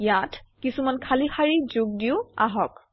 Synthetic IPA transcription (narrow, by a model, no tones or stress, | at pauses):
jatʰkisumankʰalixaɹizuɡ̚diʊa̰ɦɔk